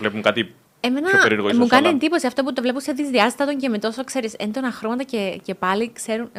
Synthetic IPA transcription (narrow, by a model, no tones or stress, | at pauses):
vlepuŋkɐt̪i | emenɐeeɾuɾɣomukɐniend̪ipo̞siɐft̪o̞put̪o̞vle̞punseðizðiɐzt̪ɐt̪oɲcemit̪o̞sokse̞ɾisend̪onɐxɾomɐt̪ɐcece̞pɐlikse̞ɾun